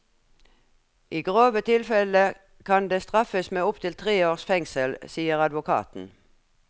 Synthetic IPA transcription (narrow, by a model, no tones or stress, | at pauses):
ʔiːɡʁoːʋət̪ʰɪlfɛlə | kʰɑnd̪eːst̪ʁɑfəsmeːʊpt̪ʰɪlt̪ʰʁeːoːʁsfɛŋsəlsiːəʁɑd̪ʋʊkʰɑ̰ːt̪n̩